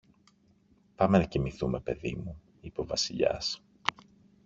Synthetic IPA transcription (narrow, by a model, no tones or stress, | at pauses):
pɐme̞nɐcimiθume̞pe̞ðḭmu | ipo̞vɐsiʎɐ̰s